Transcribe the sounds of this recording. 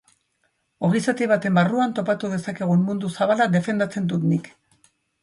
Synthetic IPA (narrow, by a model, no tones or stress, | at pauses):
o̞ɣisat̪iβ̞at̪e̞mbaruant̪o̞pat̪uðe̞sake̞ɣ̞uenmund̪usaβalad̪e̞fe̞nd̪at͡se̞nd̪ut̪nik